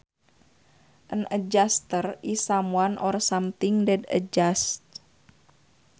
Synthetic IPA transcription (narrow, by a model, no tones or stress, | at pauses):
ʔənʔəd͡ʒast̪ərisamuanʔɔrsamt̪iŋdɛdə̰d͡ʒast̪̚